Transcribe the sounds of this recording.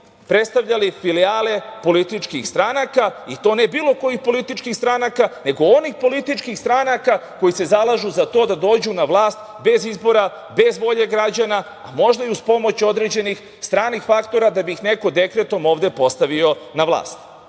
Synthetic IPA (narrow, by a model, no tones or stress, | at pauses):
pɾe̞t̪st̪aʋʎalifiliaːle̞po̞lit̪it͡ʃkixst̪ɾanakait̪o̞ːne̞biːlo̞ko̞jixpo̞lit̪it͡ʃkixst̪ɾanakane̞ɡoonixpo̞lit̪it͡ʃkixst̪ɾanakako̞jise̞zalˠaʒuzat̪o̞ːd̪ad̪o̞ːd͡ʑunaʋlˠaːst̪ | be̞zizbo̞ɾa | be̞zʋo̞ʎe̞ɡɾad͡ʑana | a̰mo̞ʒd̪aiuspo̞mo̞t͡ɕo̞d̪ɾed͡ʑe̞nix | st̪ɾaːnixfakt̪o̞ɾad̪abixne̞ko̞d̪e̞kɾet̪o̞mo̞ːʋd̪e̞po̞st̪aʋio̞naʋlˠa̰ːst̪